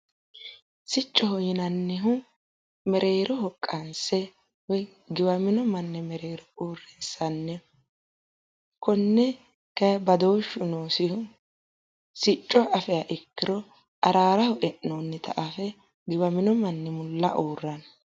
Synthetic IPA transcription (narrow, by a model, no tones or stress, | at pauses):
sɪt͡ʃʼːɔhɔjɪnɐnːɪɦʊ | mɛɾʔe̞ːɾɔhɔkʼːɐnsɛ | wɔj | ɡɪbɐmɪnɔmɐnːɛmɛɾe̞ːɾɔuːrːɛnsɐnːɛ | kɔnːɛ | kɐbɐd̪oːʃːʊnoːsɪhʊ | sɪt͡ʃʼːɔʔɐfɛjaʔɪkːɪɾɔ | ʔɐɾaːɾɐhɔʔɛʔnoːnːɪt̪ɐ̰ʔɐfɛ | ɡɪbɐmɪnɔmɐnːɛmʊlːɐʔoːrːɐn